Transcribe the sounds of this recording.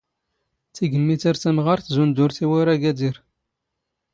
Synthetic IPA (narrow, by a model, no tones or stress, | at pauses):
θiɡəlmːit͡səɾθæmʁaɾθzund̪ʊɾθiwaɾæɡæd̪iɾ